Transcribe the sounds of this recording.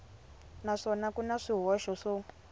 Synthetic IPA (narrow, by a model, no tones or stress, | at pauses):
naʂɔnakunaʂiɦɔʃɔʂɔ